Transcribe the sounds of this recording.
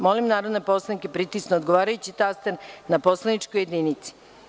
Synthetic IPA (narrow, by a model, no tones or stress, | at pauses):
mo̞limnaːɾod̪nepo̞slˠanikepɾit̪isnood̪ɡo̞ʋaːɾajut͡ɕit̪ast̪eɾnapo̞slˠanit͡ʃkoje̞d̪ninit̪si̥